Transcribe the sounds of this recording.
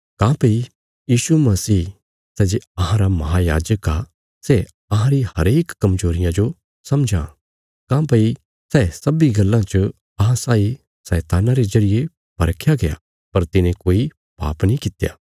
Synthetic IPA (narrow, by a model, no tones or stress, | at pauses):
kãːpɐi | jiːʃumɐsiː | sɛːd͡ʒeɐɦãɾamɐɦaja̰ːd͡ʒəka | se | ɐɦãɾihɐɾeːkkɐmzoːɾɪjãd͡ʒo | sɐmd͡ʒʱã̰ | kãːpɐi | sɛːsɐbiɡɐlːãt͡ʃə | ɐɦãsaːi | sɛːt̪aːnaɾezɐɾɪje | pɐɾkʰjaɡeja̰ | pɐɾt̪ɪnẽkoːi | pa̰ːpnĩkɪt̪ja̰ː